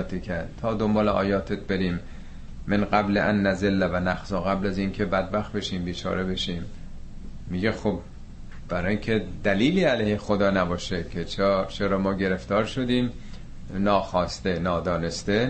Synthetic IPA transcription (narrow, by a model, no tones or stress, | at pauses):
t̪ʰicʰæɾd̪t̪ʰɒːd̪ombɒːleʔɒ̰ːjɒːt̪ʰet̪̚ʰbeɾiːmː | enɢæbleʔænːæzelːævænæxzɒːɣæblæziːnkʰe̞bæd̪̚bæxt̪̚beʃiːmbiːt͡ʃʰɒ̰ːɾebe̞ʃiːmː | iɡexob | b̥æɾɒːjiŋkʰe̞d̪æliːliːælejhexod̪ɒːnæbɒːʃekʰet͡ʃʰːt͡ʃʰeɾɒːmɒːɟe̞ɾe̞ft̪ɒːɾʃo̞d̪iːm | nɒːxɒːst̪e̞nɒːd̪ɒːne̞st̪e